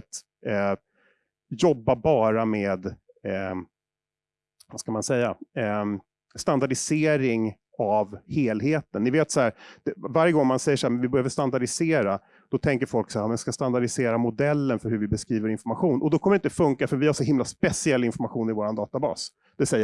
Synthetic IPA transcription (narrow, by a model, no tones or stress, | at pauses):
t̪ | jɔbːabɑːɾameːd̪ | vaskamansɛjːa | st̪and̪aɖɪseːɾɪŋ | avheːlɦeːt̪ənːɪveːt̪sahæːɾd̪̥ɛvaɾjəɡɔŋmansɛjːəʂaamɛnvɪbœhøːvəʂt̪and̪aɖɪseːɾa | d̪̥ɔt̪ʰɛŋk̬əɾfɔlksahæɾmɛnskast̪and̪aɖɪseːɾamʊd̪ɛlːənfœɾhɵ̟ɾvɪbɛskɾiːvəɾɪnfɔɾmaɧuːnʔɔd̪ɔkʰɔməɾɪnt̪d̪ɛfɵŋkafœɾvɪhaʂɔɦɪmlaspɛsɪɛlːɪnfɔɾmaɧuːnɪvoːɾand̪ɑːt̪abɑ̰ːs | d̪̥ɛsɛjː